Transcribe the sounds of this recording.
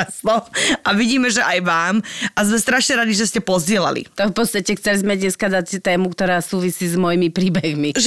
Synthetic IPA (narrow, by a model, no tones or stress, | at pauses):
slɔmʔaʋiɟiːmɛʒɛʔajʋaːmʔazmɛst̪ɾaʃɲɛɾad̪iʒɛscɛpɔzɟɪɛla̰lḭt̪ɔfpɔt̪st̪acɛxt͡sɛlizmɛd̪ɲɛskad̪at͡st̪ɛːmukt̪ɔɾaːsuːʋisiːzmɔjimipɾiːbɛɣmiʒ